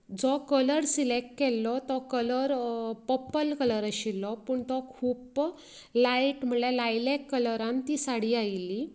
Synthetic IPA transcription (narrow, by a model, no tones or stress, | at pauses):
d͡zɔkələɾsilek̚kɛlːɔt̪ɔkələɾpəpəlkələɾəɕilːɔpəɳt̪ɔkʰuːp | laiʈm̤əɳlalajlekːələɾãnt̪iːsaɽiːajlːi